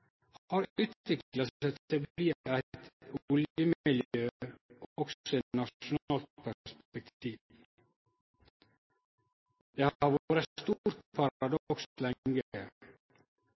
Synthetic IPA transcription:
hɑɾʉːt̪ʋɪklɑsɛt̪ɛbliːæɪt̪ɔljəmɪljøːɔksɔɛnɑʊnɑːlt̪̚pʰæsppɛk̚t̪t̪iːʋ | d̪ɛhɑɾvɔɾɛtst̪uɾt̪pʰɑɾɑd̪ɔkslɛɡə

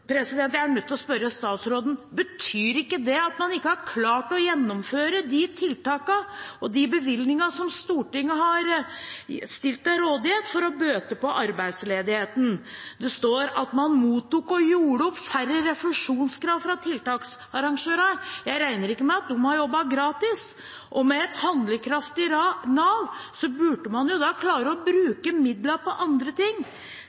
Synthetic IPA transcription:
pʰɾɛsɪd̪ɛnt̪jæɪæɳʉt̪ːlɔspœɾəst̪ɑːt̪sɾoːd̪ən̩bət̪ʰyːɾɪkːəd̪ɛɑt̪mɑnɪkːəhɑɾkʰlɑːʈɔjɛnːɔmføːɾəd̪ɪt̪ʰɪlt̪ɑːkɑɔd̪ɪbəʋɪlnɪŋɑsɔmst̪uːʈɪŋːəɦɑɾ | st̪ɪlt̪ːæɾoːd̪ɪheːt̪fɔɾɔbøːt̪əpɔʔɑɾbæɪd̪sleːd̪ɪheːt̪n̩d̪ɛst̪oːɾɑt̪mɑnmuːt̪ːuːkɔjuːɽəʊpfærːəɾɛflʂuːnskɾɑʋfɾɑt̪ʰɪlt̪ɑːks | ɑɾɑŋʂøːɾɑɾjæɪɾæɪnəɾɪkːəmɛɑt̪̚d̪ʊmhɑɾjɔbːɑɡɾɑːt̪ɪs | ʔɔmɛɛt̪hɑnd̪ləkʰɾɑft̪ɪnɑːlsɔbʉːɖəmɑnjʊd̪ɑkʰlɑːɾəɔbɾʉːkəmɪd̪lɑpɔʔɑnd̪ɾət̪ɪŋː

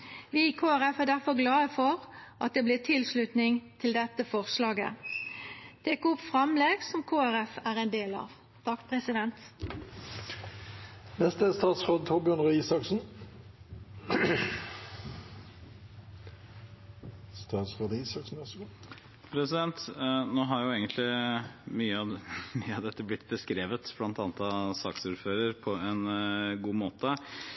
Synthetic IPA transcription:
ʋikʰoːæʁɛfæːd̪æʁfɔʁɡlɑːəfɔʁʔɑt̪̚d̪eːblɪːt̪ʰɪlslʉt̪nɪŋt̪ʰɪld̪ɛt̪ːəfɔʁslɑːɡə̰ | t̪ʰeːkʊpfʁɑmleːɡsɔmkʰoːæʁɛfæːʁɛnd̪eːlɑ̰ːʋ | t̪ʰɑkːpʰʁɛsɪd̪ɛnt̪ | nɛst̪əst̪ɑːt̪sʁoːd̪̚t̪ʰʊbjœnʁəiːsɑksn̩ | st̪ɑːt̪sʁoːd̪iːsɑksn̩ʋæsɡu | pʰɾɛsɪd̪ɛnt̪noːɦɑɾjʊeːɡənt̪lɪmyːəɑmyːəɑʋd̪ɛt̪ːəblɪt̪ːbəskɾeːʋət̪blɑnt̪ɑːnt̪ɑsɑːksʉɾføːɾəɾpʰɔɛnɡuːmoːt̪ə

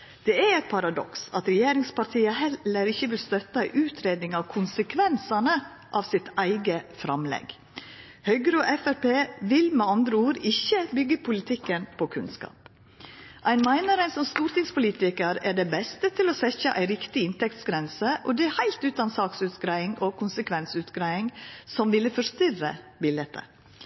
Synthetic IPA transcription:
d̪̥ɛæɾæɪt̪̚pʰɑɾɑd̪ɔ̰ksɑt̪ɾɛjeːɾɪŋspɑɾt̪ʰiːəhɛəɾɪçəʋɪlst̪œt̪ːəæɪʔʉːt̪ʰɾeːd̪nɪŋɑʋkʰʊnsəkʰʋɛnsɑnə | ʔɑʋsɪt̪æɪɡəfɾɑ̰mlɛ̰ɡ | hœʏɡəɾəoʔɛfæɾpeːʋɪlmɛɑnd̪ɾəuːɾɪçəbʏɡːəpʰʊlɪt̪ʰɪkːənpʰɔkʰʉ̰nskɑ̰ːp̚ | ʔæɪnmæɪnəɾɛɪnsɔmst̪uːɾt̪ɪŋspʊliːt̪ɪkəɾæɖɛbɛst̪ət̪ʰɪlɔsɛçəʔæ̰ɪɾɪkt̪ɪɪnt̪ɛkt̪sɡɾɛnsəʔɔd̪ɛæhæɪlt̪ʉːt̪ɑnsɑːksʉːt̪ɡɾæɪɪŋɔkʰʊnsəkʰʋɛnsʉːt̪ɡɾæɪɪŋsɔmʋɪlːəfɔʂt̪ʏrːə̰bɪlət̪ʰə̰

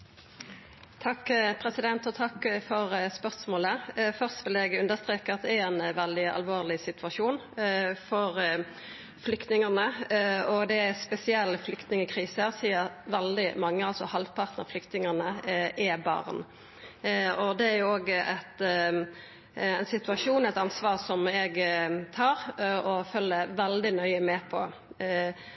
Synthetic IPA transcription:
t̪ʰɑkːpʰɾɛsɪd̪ɛnt̪ɔt̪ʰɑkːfɔʁspœʁsmoːləfœʁst̪ʋɪlɛɡʉnd̪əst̪ʁeːkəɑt̪̚d̪ɛæɾɛnʋɛld̪ɪɑ̰lʋoːʁlɪsɪt̪ʰʉɑʂuːnfɔʁ | flʏkt̪nɪŋɑʁnəɔd̪ɛæspɛsɪɛlːflʏkt̪nɪŋəkʰʁiːsəsiːəʋɛld̪ɪmɑŋːəɑlsɔhɑlʋpʰɑːʁt̪nəʁflʏkt̪ɪŋɑʁnəʔɛbɑ̰ːʁn | ɔd̪ɛæɾjʊoːɡɛt̪ | ɛnsɪt̪ʉɑʂuːnɛt̪ɑnsʋɑːʁsɔmɛɡt̪ʰɑːɾɔfœlːəʋɛld̪ɪnœʏəmɛːpʰɔ

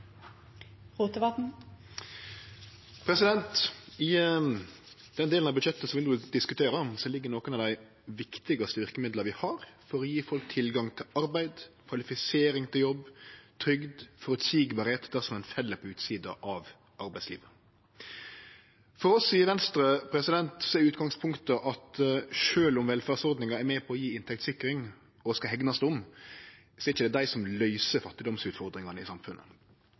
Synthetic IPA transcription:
ʁuːt̪əʋɑt̪n̩ | pʰɾɛsɪd̪ɛnt̪ɪ | d̪ɛnd̪eːlənɑbʉd̪ʃɛt̪ːəsɔmʋɪlnʉːd̪ɪskʉt̪ʰeːɾəmsɔlɪɡːənoːkənɑʋd̪æɪ | ʋɪkt̪ɪɡɑst̪əʋɪʁkəmɪd̪ləʋɪhɑɾfɔɾɔjiːfɔlk̚t̪ʰɪlɡɑŋt̪ʰɪlɑɾbæɪd̪kʰʋɑlɪfɪseːɾɪŋt̪ʰɪljɔbːt̪ʰɾʏɡd̪fɔɾt̪siːɡbɑɾheːt̪d̪æʁsɔmɛnfɛlːəpʰɔʉːt̪siːd̪ɑ̰ʔɑʋ | ɑɾbæɪslḭːʋə | fɔɾɔssiːəʋɛnst̪ɾəpʰɾɛsɪd̪ɛnt̪sɔɛʉːt̪ɡɑŋspʰʊŋkt̪əʔɑt̪ʃøːlɔmʋɛlfæːʁsɔʁd̪nɪŋɑɛɾmɛːpʰɔːjiːɪnt̪ʰɛk̚t̪sɪkːɾɪŋ | ɔskɑɦɛɡnɑsd̪ɛʊm | sɔɛɾɪçːəd̪ɛːd̪æɪsɔmlœʏsəfɑt̪ːɪd̪ɔmsʉːt̪fɔɾd̪ɾɪŋɑnəɪsɑmfʉnʔə̰

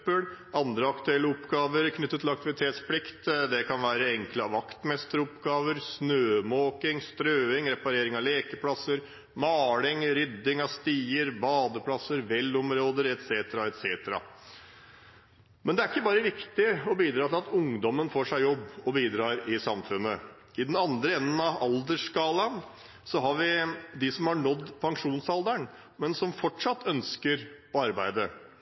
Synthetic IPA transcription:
pəlʔɑnd̪ɾəɑkt̪ʉɛlːəɔpːɡɑːʋəɾkʰnʏt̪ːət̪ʰlɑkt̪ɪʋɪt̪ʰeːt̪spʰlɪkt̪d̪ɛkʰɑnʋæːɾəɛŋkləɑʋɑkt̪mɛst̪əɾɔpɡɑːʋəɾsnøːmoːkɪŋst̪ɾøːɪŋɾɛpɑɾeːɾɪŋɑʋleːkəpʰɽɑsːəɾ | mɑːɽɪŋɾʏd̪ːɪŋɑʋst̪iːəɾbɑːd̪əpʰɽɑsːəɾʋɛlːɔmɾoːd̪əɾɛt̪seːt̪əɾɑɛt̪seːt̪əɾɑ̰ | mɛnd̪ɛæɾɪkːəbɑːɾəʋɪkt̪ɪɔbiːd̪ɾɑːt̪ɪlɑt̪ʊŋd̪ɔmːənfoːʂæɪjɔbːɔbiːd̪ɾɑːɾɪsɑmfʉnːə | ɪd̪ɛnɑnd̪ɾəɛnːənɑɑld̪əʂkɑːlɑn | sɔɦɑɾʋɪd̪ɪsɔmhɑɳɔd̪pʰɑŋʂuːnsɑld̪æɳ | mɛnsɔmfɔʈʂɑt̪ːœnskəɾɔɑɾbæɪd̪ə

